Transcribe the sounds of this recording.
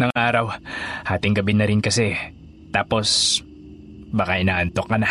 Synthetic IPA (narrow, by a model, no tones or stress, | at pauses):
nɐŋʔaːɾɐwhaːt̪ɪŋɡɐbɪnɐɾɪnkɐsɛ | t̪aːpo̞s | baːkaʔɪnaːʔɐnt̪o̞kːɐna